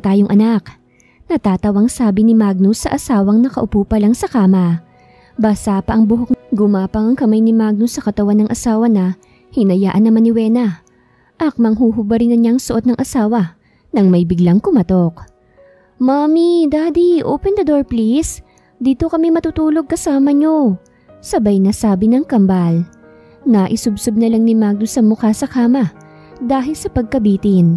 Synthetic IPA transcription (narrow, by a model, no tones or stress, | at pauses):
t̪aːjoŋʔɐnak | nɐt̪aːt̪ɐwɐŋsaːbɪnɪmaɡ̚nʊsɐʔɐsaːwɐŋnɐkɐʔʊpoːpɐlaŋsɐkaːmɐ | basaːpɐʔɐŋbʊɦok̚ɡʊmaːpɐŋɐŋkɐmajnɪmaɡ̚nʊsɐkɐt̪ɐwanːɐŋʔɐsaːwɐnɐ | hɪnɐjaːʔɐnːɐmɐnːɪwɛːnɐ | ʔɐk̚mɐŋɦuːɦʊbɐɾɪnɐɲaŋsʊʔo̞t̪nɐŋʔɐsaːwɐ | nɐŋmɐjbɪɡlaŋkʊmɐt̪o̞k | mamid̪aːd̪iʔo̰pɛnd̪ɐd̪oɹplis | d̪iːt̪o̞kɐmɛmɐt̪ut̪uːlo̞ɡ̚kɐsaːmɐɲo̞ | sɐbɐjnɐsaːbɪnɐŋkɐmbal | naʔɪsʊbsʊb̚nɐlaŋnɪmaɡ̚losɐmʊkasɐkaːmɐ | d̪aːɦɪlsɐpɐɡ̚kɐbiːt̪ɪn